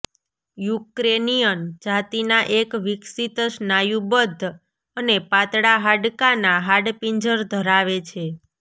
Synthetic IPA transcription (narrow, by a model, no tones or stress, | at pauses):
jukɾenijənd͡ʒat̪inaʔekʋiksit̪əʃnajubəd̪ʱː | ənepat̪ɽaɦaɖkanaɦaɖpiɲd͡ʒəɾd̪ʱəɾaʋet͡ʃʰe